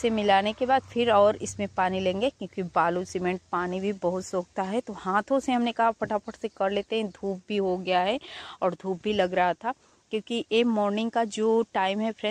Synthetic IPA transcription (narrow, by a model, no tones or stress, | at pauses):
semɪlaːnekebaːd̪fʰɪɾɔːɾɪsmẽpaːnilẽːŋɡekjõːkibaːlusɪmɛ̃ɳʈ̚paːnibʱibɐɦʊt̪soːk̚t̪aɦɛt̪ohãːt̪ʰõseɦɐmnekɐɦapɐʈʰapəʈʰsekɐɾleːt̪eɦɛ̃d̪ʱuːp̚bʱiɦoɡɐjaɦɛɔːɾd̪ʱuːp̚bʱilɐɡɾɐɦat̪ʰa | kjõːkiʔeːmɔːɾnɪ̃ŋɡ̚kad͡ʒoːʈaːɪmɦɛfɾɛ̃